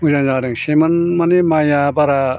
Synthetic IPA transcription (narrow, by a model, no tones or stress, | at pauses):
uzaŋzaɾɯŋsemɐnmanemajabaɾa